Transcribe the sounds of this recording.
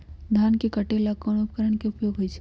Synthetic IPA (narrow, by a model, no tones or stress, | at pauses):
d̪ʱaːnkekəʈelakɔɽ̃ʊp̚kəɾəɳ̃keʊpjoːɡɦoit͡ʃʰe